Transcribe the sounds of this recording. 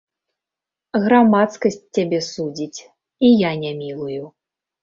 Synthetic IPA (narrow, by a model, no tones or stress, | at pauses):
ɣɾamat̪skɐsʲt͡sʲːabʲɛsud͡zʲit͡sʲ | ijanʲamʲilˠuju